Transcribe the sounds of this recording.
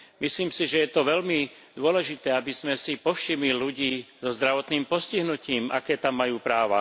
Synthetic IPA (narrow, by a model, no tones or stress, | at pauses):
misliːmsiʒɛjɛt̪ɔʋɛlmi | d̪ʊɔlɛʒit̪ɛːabizmɛsipɔfʃimiluɟiːzɔzd̪ɾaʋɔt̪niːmpɔsciɦnuciːma̰kɛːt̪amːajuːpɾaːʋa̰